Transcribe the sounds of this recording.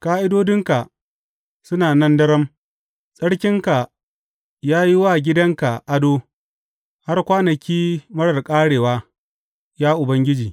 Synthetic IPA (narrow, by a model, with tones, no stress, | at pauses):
kaː˦ʔɪ˦doː˦dɪ˦ŋka˨ | sʊ˦naː˨nɐ˦ndɐ˦ɽɐ˦m | sʼɐ˦ɽkʲɪ˦ŋka˨ | jaː˦ji˦wa˦˨ɡʲɪ˦dɐ˦ŋka˨ʔa˦doː˦ | ha˦rkʷaː˦nɐ˨kʲiː˦mɐ˦ɽɐ˨rkʼaː˦ɽeː˨waː˦ | jaː˦ʔʊ˨bɐ˦ŋɡʲɪ˦d͡ʒiː˨